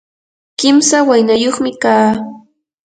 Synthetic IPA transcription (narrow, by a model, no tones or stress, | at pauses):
kɪmsawajnajoχmɪkaː